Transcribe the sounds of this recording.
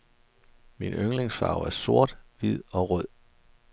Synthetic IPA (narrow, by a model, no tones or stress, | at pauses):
minøŋle̝ŋsfɑ̰̈ʊæɐso̝ɐ̰d̥ʋið̞̰ˠɒ̽ʁœð̰ˠ